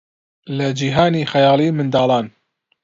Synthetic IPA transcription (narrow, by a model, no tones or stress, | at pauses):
lɐd͡ʒiːɦaːniːxɐjɑːliːmɨnd̪ɑːlˠɑːn